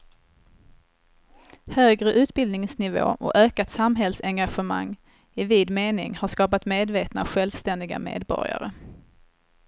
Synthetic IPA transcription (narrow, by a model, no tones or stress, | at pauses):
høːɡɾəʔʉ̟ːt̪bɪld̪nɪŋsnɪvo̰ːʔɔ̰køːkat̪samɦɛlsɛŋɡaɧəma̰ŋː | ɪviːd̪meːnɪ̰ŋhaʂkɑːpat̪meːd̪veːt̪na̰ɧɛlvst̪ɛnd̪ɪɡa̰mḛːd̪bɔ̰ɾɪja̰ɾə